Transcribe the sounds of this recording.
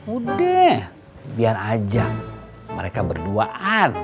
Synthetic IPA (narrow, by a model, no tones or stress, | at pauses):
udɛh | bianad͡ʒa | məɾekabərduaʔan